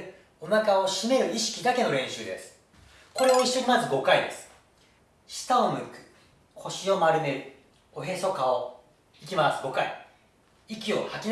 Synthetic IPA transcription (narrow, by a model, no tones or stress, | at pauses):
o̞nakao̞ɕime̞ɾɯ̟iɕi̥kʲid̪ake̞no̞ɾẽ̞ɕɨːd̪e̞sɨ̥ | ko̞ɾe̞oiɕːo̞ɲ̟imazɨɡo̞kaid̪e̞sɨ̥ | ɕi̥t̪aomɯ̟kɯ̥ | ho̞ɕio̞maɾɯ̟ne̞ɾɯ̟ | o̞ɦe̞so̞kao | ik̬ʲimasɨɡo̞kaḭ | ikʲio̞hakʲin